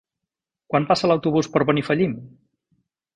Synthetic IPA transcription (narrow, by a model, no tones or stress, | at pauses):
kwampasələwt̪uβ̞uspəɾβənifəʎim